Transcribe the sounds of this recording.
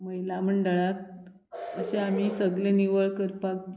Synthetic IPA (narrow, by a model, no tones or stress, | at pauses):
məjlam̤əɳɖəɭak̪̚ | əɕeam̤isəɡleniʋəɭkəɾpak̚